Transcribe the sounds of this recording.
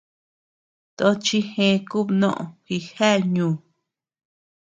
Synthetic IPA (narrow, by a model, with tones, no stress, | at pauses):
t̪o˦t͡ʃi˦hẽ˧ku˦bnõ̰˦ʔõ̰˨xi˧ha˦˨ɲũː˨˧˨